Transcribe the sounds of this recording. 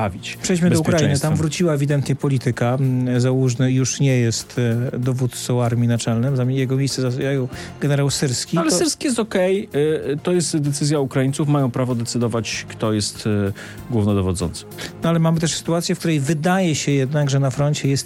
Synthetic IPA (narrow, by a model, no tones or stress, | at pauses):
avʲit͡ɕpʂɛjd͡ʑmɘd̪ɔukɾainnɨt̪amvɾut͡ɕiwaɛvʲid̪ɛnt̪ɲɛpɔlʲit̪ɘkazawuʐnɘjuʂɲɛjɛst̪d̪ɔvut̪t̪sɔwaɾmʲinat͡ʂɛlnɛmzamʲjɛɡɔmʲejst̪sɛzasajɔwɡɛnɛɾawsɘɾskʲialɛsɘɾskʲijɛs̬t̪ɔkɛjt̪ɔjɛst̪d̪ɛt̪sɘzʲjaukɾajint̪sufmajɔ̃w̃pɾavɔd̪ɛt̪sɘd̪ɔvat͡ɕkt̪ɔjɛst̪ | ɡwuvnɔd̪ɔvɔd̪zɔ̰nt̪sɨ̥nɔalɛmamɘt̪ɛʂsɘ̥t̪uat̪sʲjɛfkt̪uɾɛjvɘd̪ajɛɕɛjɛd̪naɡʐɛnafɾɔnt͡ɕɛjɛst̪